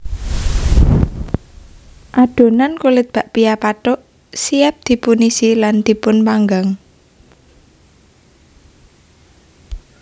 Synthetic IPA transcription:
ʔaɖ̥o̤nankulɪt̪̚b̥a̤ʔpijapaʈoʔ | siap̚d̪̥i̤punisiland̪̥i̤pʊnpaŋɡaŋ

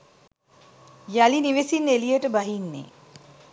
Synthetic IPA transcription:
jaliniʋesinelijəʈəbaɦinːḛː

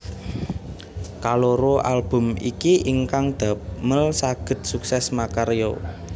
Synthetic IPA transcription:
kaloɾoʔalb̥ʊ̤mḭkiʔiŋkaŋd̪̥a̤p̚məlsaɡ̥ə̤t̪̚suksɛsmakaɾjo̰

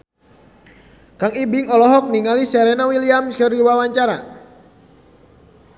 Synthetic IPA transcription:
kaŋibiŋɔlɔɦɔk̚niŋalisɛɾɛnawiliamskəriwawaɲt͡ʃaɾa

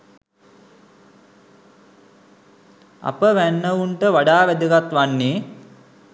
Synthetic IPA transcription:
a̰pəʋænːəuɳʈəʋaɖaːʋæd̪əɡat̪ʋanːeː

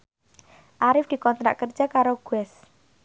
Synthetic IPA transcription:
ʔaɾɪfd̥̪i̤kɔnt̪ɾa̰ʔkərd̥d͡ʒ̥akaɾoɡ̥uɛs

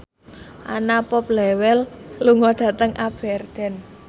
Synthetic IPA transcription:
ʔa̰napɔp̚lɛwɛlːuŋɔɖ̥ä̤t̪əŋʔab̥ɛrd̪̥ɛ̤n

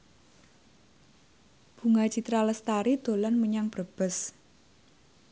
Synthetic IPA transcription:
b̥ṳŋat͡ʃit̪ɾaləst̪aɾid̪̥o̤lɔnməɲaŋb̥ɾəb̥ə̤s

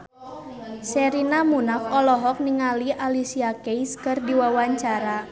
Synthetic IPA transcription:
sɛɾinamunafɔlɔɦɔk̚niŋaliʔalisiakejskɨrdiwawaɲt͡ʃaɾa

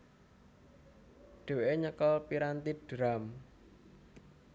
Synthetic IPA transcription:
ɖ̥e̤weʔeɲəkəlpiɾant̪id̥ɾam

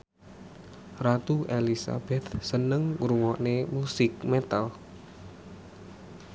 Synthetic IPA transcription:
rat̪uʔelisa̰b̥ɛt̪̚sənəŋɾuŋɔʔnemusɪk̚mɛt̪al

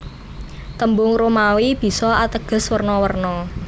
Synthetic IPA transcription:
t̪əmbʊŋɾomawib̥i̤sɔat̪əɡ̥ə̤swərnɔwərnɔ

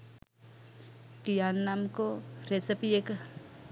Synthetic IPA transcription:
kijaːnːaːmkoɾesəpiek

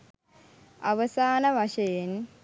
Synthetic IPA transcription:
aʋəsaːnəʋaʃəjen

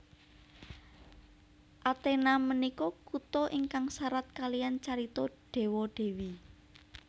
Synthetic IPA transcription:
ʔat̪enamənikɔkut̪ɔʔiŋkaŋsaɾat̪̚kalijant͡ʃaɾit̪ɔɖ̥e̤wɔɖ̥e̤wi

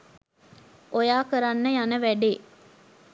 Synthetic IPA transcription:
ʔojaːkəɾanːəjanəʋæɖeː

